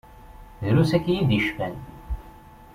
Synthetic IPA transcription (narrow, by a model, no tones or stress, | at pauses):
ðɾusækːjiðiʃfæn